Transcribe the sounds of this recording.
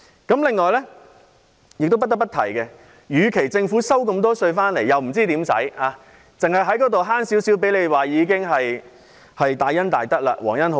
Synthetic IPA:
kɐ˨˥mlɪ˨ŋːɔː˨jlɛ˥ | jɪ˨k̚t̪o˥wpɐ˥t̪pːɐ˥t̪ʰɐ˨˩jkɛː˧ | jyː˨˧kʰe˨˩jt͡sɪ˧ŋfuː˨˥sɐ˥wkɐ˧mt̪ɔː˥sɵ˧ɥfaː˥nle˨˩jɐ˨wm̩˨˩t͡siː˥t̪iː˨˥msɐ̰˨˥jaː˨˧ | t͡sɪ˨ŋhɐ˨jɦɐ˨˥jkɔː˨˥t̪o˨wɦaː˥nsiː˨˥wsiː˨˥wp̬e˨˥jle˨˧jwaː˨jiː˨˧k̬ɪ˥ŋɦɐ˨j | hɐ˨jt̪aː˨˧jɐ˥nt̪aː˨jt̪ɐ˥la̰ː˧wɔː˨˩ŋjɐ˥nho˧˦

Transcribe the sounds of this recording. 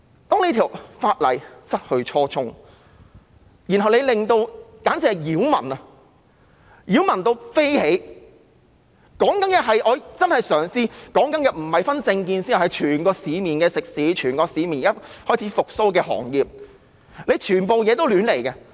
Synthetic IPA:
t̪ɔː˥ŋne˧jt̪ʰiː˨˩wfaː˧t̚lɐ̰˨˩jsɐ˥t̚hɵ˧ɥt͡ʃʰɔː˧t͡sʰʊ˥ŋ | ji˨˩nhɦɐ˨wne˨˧jlɪ˨ŋt̪o˧wkaː˨˥nt͡sɛː˨˧jiː˨˥wmɐ̰˨˩nɐ˧ | jiː˨˥wmɐ˨˩nt̪o˧wfe˥jhe˨˧˥j | kɔː˨˥ŋkɐ˨˥njɛ˨˧ɦɐ˨jʔɔː˨˧t͡sɐ˥nhɐ˨jsœː˨˩ŋsiː˧kɔː˨˥ŋkɐ˨˥njɐ˨t̚m̩˨˩hɐ˨jfɐ˥nt͡sɪ˧ŋkiː˧nsi˥hɐ˨˩hɐ˨˩jt͡ʃʰyː˨˩nkɔː˧siː˨˧miː˨˩nkɛː˧sɪ˨k̚siː˨˥t͡ʃʰyː˨˩nkɔː˧siː˨˧miː˨˩n˨kaː˥hɔː˥˩jt͡sʰiː˨˥fʊ˨k̚so˥wkɛː˧ɦɔ̰ː˨˩ŋjiː˨p̚ | le˨˧jt͡ʃʰyː˨˩npo˨wjɛː˨˧t̪o˥wlyː˨˧nle˨˩jkɛ˧

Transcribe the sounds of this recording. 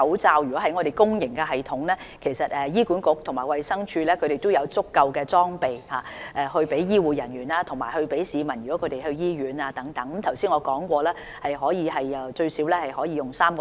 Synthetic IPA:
ɐ˨˥wt͡saː˧wjy˨kɔ˨˥hɐ˨˥jŋɔː˨˧ɾe˨jkʊ˥ŋjɪ˨˩ŋkɛː˧ɦɐ˨˩jt̪ʰʊ˨˥ŋlɛː˥ | kʰe˨˩jsɐ˨t̚ɛː˨jiː˥kuː˨˥nkʊ˨˥k̚t̪ʰʊ˨˩maː˨˩jwɐ˨jsɐ˥ŋt͡ʃʰyː˧lɛː˥kʰɵ˨˧ɥɾe˨jt̪ʊ˥wjɐ˨˧wt͡sʊ˥kːɐ˧wkɛː˧t͡sɔː˥ŋpe˨jhaː˨˧ʔɛː˨˧hɵ˧pe˨˥jjiː˥wuː˨˩jɐ˨˩nɥyː˨˩naː˧t̪ʰʊ˨˩ŋmaː˨˩jhɵ˧ɥpe˨˥jsiː˨˧mɐ˨˩njyː˨˩kɔ˨˥kʰt̪e˨jhɵ˧ɥjiː˥ɥyː˨˥naː˧t̪ɐ˨˥ŋt̪ɐ˨˥ŋkmt̪ʰɐ˨˩wsiː˥nŋɔː˧kɔː˨˥ŋkʷɔː˧lɛː˥ | hɐ˨jɦɔː˨˥jiː˨˧hɐ˨jːɐ˨wt͡ʃɵ˧ɥsiː˨˥wlɛː˥hɐ˨jhɔː˨˥jiː˧jʊ˨ŋsaː˥mkɔ

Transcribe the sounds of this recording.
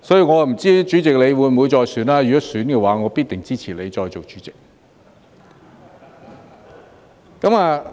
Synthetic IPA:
sɔ˨˥ji˧wŋɔː˨˧˨m̩˨˩t͡siː˥t͡ʃyː˨˥t͡sɪ˨k̚le˨˧jwuː˨˧jmwuː˨˧jt͡sɔː˧jsyː˨˥nlaː˥jkɔ˨˦˥syː˨˥nkɛː˧waː˨˥ŋɔː˨˧piː˥t̚t̪ɪ˨˩ŋt͡siː˥t͡sʰiː˨˩le˨˧jt͡sɔː˧jt͡so˨wt͡ʃy̥ː˨˥t͡sɪ̥˨k̚ | kɐ˨˥maː˨˧

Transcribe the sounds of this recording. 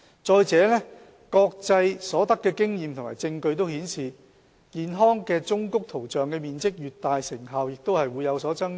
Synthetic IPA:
t͡sɔː˧jt͡sɛː˨˥lɛː˥ | kɔː˧k̚t͡sɐ˧jsɔː˨˥t̪ɐ˥kːɛː˧kɪ˥ŋjiː˨mt̪ʰʊ˨˩ŋmaː˨˩jt͡sɪ˧ŋkɵ˧ɥt̪o˥whiː˨˥nsiː˨ | kiː˨nɦɔː˥ŋkɛː˧t͡sʊ˥ŋkʊ˥k̚t̪ʰo˨˩wt͡ʃœː˨ŋkɛː˧miː˨nt͡sɪ˥k̚jyː˨t̚t̪aː˨jsɪ˨˩ŋɦɐ˨wjɪ˨k̚t̪o˥whɐ˨jwuː˨˧jːɐ˨˧wsɔː˨˥t͡sɐ˥ŋ

